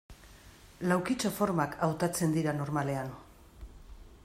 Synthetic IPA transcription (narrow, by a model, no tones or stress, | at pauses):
lawkit͡ʃofo̞ɾmakʰawt̪at͡se̞nd̪iɾano̞ɾmale̞an